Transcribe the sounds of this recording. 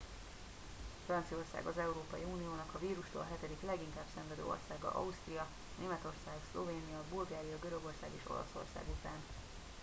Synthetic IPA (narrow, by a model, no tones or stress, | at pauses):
frɒnt̪sio̞rsa̰ːɡɒzɛuɾoːpɒjiuːnijoːnɒkɒviːɾuʃt̪o̰ːlɦɛt̪ɛd̪iklɛɡiŋkaːbsɛɱvɛd̪ø̰ːo̞̰rsaːɡɒ̰ʔɒust̪rijɒ | neːmɛt̪o̞rsaːɡslo̞̰veːnijɒbulɡaːɾijɒɡøɾø̞ɡo̞rsa̰ːɡḛːʃo̞̰lɒ̰so̞̰rsa̰ːɡut̪aːn